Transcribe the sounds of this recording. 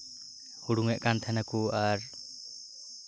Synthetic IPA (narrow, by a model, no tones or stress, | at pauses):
huɽuŋɛʔkant̪ʰanakuaɾ